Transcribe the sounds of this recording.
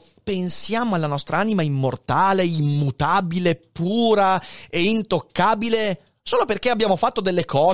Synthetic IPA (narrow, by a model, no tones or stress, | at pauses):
pensjaːmoalːanɔst̪ɾaaːnimaimːort̪aːleimːut̪aːbilepːuːɾaeint̪okːaːbile | soːloperk̟eabːjaːmofat̪ːod̪elːekʰɔː